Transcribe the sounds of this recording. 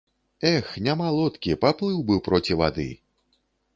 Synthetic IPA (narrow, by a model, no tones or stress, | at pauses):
ɛxnʲamalˠɔt̪kʲipaplˠɨwbɨpɾɔt͡sʲiva̰d̪ɨ̰